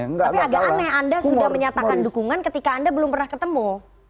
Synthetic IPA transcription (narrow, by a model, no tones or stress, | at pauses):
apiaɡakanɛandasudahməɲat̪akandukuŋankət̪ikaːndabəlʊmpərnahkət̪əmu